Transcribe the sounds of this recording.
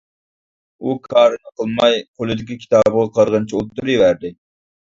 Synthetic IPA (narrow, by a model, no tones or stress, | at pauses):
ukʰɑːɾɨnɨqʰəlˠmɑjqʰolˠɨd̪ɪkʲikʲʰi̥t̪ɑːbəʁɑqʰɑɾʁənt͡ʃʰiolˠt̪ːuɾɨwæɾd̪ɪ